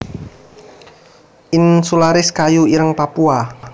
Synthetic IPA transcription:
ʔinsulaɾɪskajuiɾəŋpapua

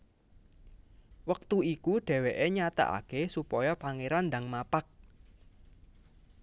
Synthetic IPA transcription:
wək̚t̪uikuɖ̥ɛ̤weʔeɲat̪a̰ʔa̰kesupɔjɔpaŋeɾand̪aŋmapak̚

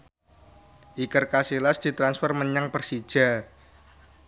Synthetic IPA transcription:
ʔikərkasilasd̪̥i̤t̪ɾansfərməɲaŋpərsid̥ʒ̥a̤

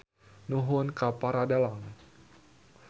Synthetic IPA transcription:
nuɦʊnkapaɾadalaŋ

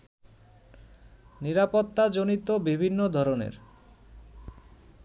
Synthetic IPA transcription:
niɾapot̪ːad͡ʑonit̪obibʱinːod̪ʱɔɾonḛɾ

